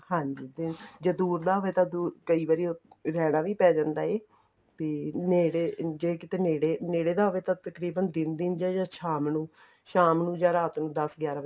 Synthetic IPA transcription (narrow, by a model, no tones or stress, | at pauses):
hãːɲd͡ʒiːd̪ɪnd͡ʒaːd̪uːɾd̪aːɦʊʋeːt̪ãːd̪uːkəiːʋaːɾiːoː | ɾɛːɽãːʋiːpɛːd͡ʒãːnd̪aːeː | t̪eːneːɽeːd͡ʒeːkɪt̪eːneːɽeːneːɽeːd̪aːɦʊʋeːt̪ãːt̪əkɾiːbənd̪ɪnd̪ɪnd͡ʒaːd͡ʒãːʃʰaːmnũː | ʃaːmnũːd͡ʒãːɾaːt̪nũːd̪əsɡjaːɾaːʋ